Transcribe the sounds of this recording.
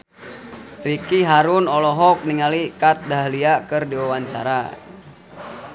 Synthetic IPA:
rikiɦaɾʊnɔlɔɦɔk̚niŋalikat̪̚daɦliakɨrdewawant͡ʃa̰ɾa̰

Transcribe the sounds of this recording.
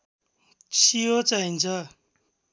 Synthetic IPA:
t͡sʰiot͡saɦint͡sʰʌ

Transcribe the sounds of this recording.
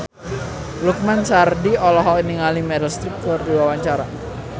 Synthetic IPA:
luk̚mansardiɔlɔɦɔiniŋalimɛdalst̪ɾik̚t̪ɔrdiwawaɲt͡ʃaɾa

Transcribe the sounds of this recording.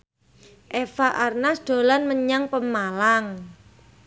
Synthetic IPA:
ʔefaʔarnasd̪̥o̤lanməɲaŋpəmalaŋ

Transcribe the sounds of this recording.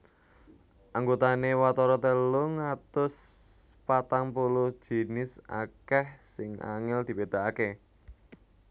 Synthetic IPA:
ʔaŋɡot̪anewat̪ɔɾɔt̪əloŋat̪ʊs | pat̪aŋpulu̥ʒ̥i̤nɪsa̰kɛhsɪŋa̰ŋɪld̪̥i̤bed̪̥a̤ake

